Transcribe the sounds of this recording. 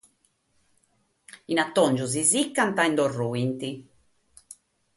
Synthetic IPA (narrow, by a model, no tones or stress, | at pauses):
inat̪ːɔnd͡ʒuzizikːant̪aɛnd̪ɔrːuint̪i